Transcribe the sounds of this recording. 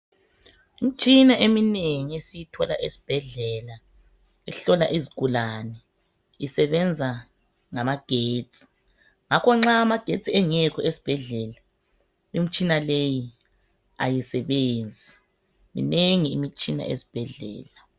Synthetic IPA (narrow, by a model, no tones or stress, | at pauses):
imit͡ʃʼinaʔemineŋiesijitʰɔla̰ʔesi̥b̥ʱɛɮɛla | ɛɬɔlaʔiziɡ̥ʱʼulanɛ | isɛβɛnd͡zʱa | ŋamaɡ̥ʱeːt͡sʼi̥ | ŋakʰɔŋ͡ǁaːmaɡ̥ʱet͡sʼiɛŋɛkʰɔʔesi̥b̥ʱɛɮɛla | imit͡ʃʼinaleji | a̰jisɛβeːnd͡zʱi | mḭneŋiːmit͡ʃʼina̰ʔḛsi̥b̥ʱɛɮɛ̰ːla